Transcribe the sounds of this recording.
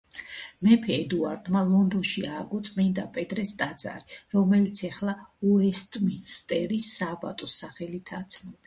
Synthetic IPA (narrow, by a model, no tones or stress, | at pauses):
mɛpʰɛːd̪ua̰ɾd̪malˠɔnd̪ɔnʃiaːɡɔt̪sʼmind̪apʼɛt̪ʼɾɛst̪ʼad̪z̥ʼa̰ɾiɾɔmɛlit̪sʰɛχlˠauɛst̪ʼminst̪ʼɛɾisaba̰t̪ʼɔsaχɛlit̪ʰat̪sʰnɔb̥i